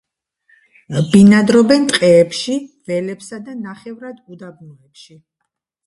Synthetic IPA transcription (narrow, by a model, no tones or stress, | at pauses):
binad̪ɾɔbɛnt̪ʼqʼɛːpʃivɛlɛpsad̪anaχɛvɾad̪ud̪abnɔɛpʃi